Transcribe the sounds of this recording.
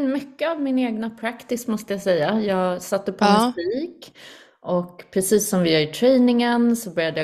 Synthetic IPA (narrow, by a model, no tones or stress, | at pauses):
nmʏkːəavmɪneːɡnapʰɾakt̪ɪsmɔst̪əjasɛjːajɑːɡsat̪ːəpʰɔmsiːk | ʔɔkpʰɾɛsiːsːɔmvɪaɾɪt̪ʰɾɛjnɪŋənsɔbœɾjad̪əj